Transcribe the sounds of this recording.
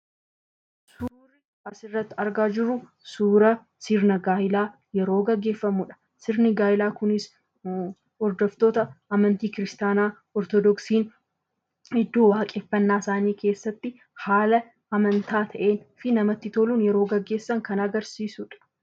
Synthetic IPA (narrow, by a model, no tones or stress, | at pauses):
su | ɾɪ | ɐsɪrːɐt̪ːɪɐɾɡaːd͡ʒɪrːʊ | suːɾɐ | sɪɾnɐɡaːhɪlaː | jɛɾo̞ːɡɐɡːe̞ːfːɐmuᶑɐ̥ | sɪɾnɪɡaːjɪlaːkʊnɪs | ɔɾd̪ɔft̪o̞ːt̪ɐɐmɐnt̪iːkɪɾɪst̪aːnaː | ɔɾt̪ɔd̪ɔksiːn | hɪd̪ːuːwaːkʼɪfːɐnːaːɪsaːniːkʰe̞ːsːɐt̪ːɪ | haːlɐ | ɐmɐnt̪ʰaːt̪ʰɐʔe̞ːnfɪnɐmɐt̪ːɪt̪oluːnjɛɾo̞ːɡɐɡːe̞ːsːɐŋkɐnɐɡɐɾsiːsʊᶑɐ̥